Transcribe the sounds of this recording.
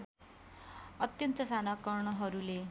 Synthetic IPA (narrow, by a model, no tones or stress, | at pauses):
ʌt̪jʌnt̪ʌsanʌkʌrɳʌɦʌɾule